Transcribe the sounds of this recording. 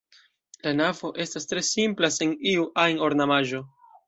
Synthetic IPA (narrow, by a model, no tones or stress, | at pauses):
lanavo̞ʔe̞stastɾe̞simplaseniuʔajno̞ɾnamaʒo̞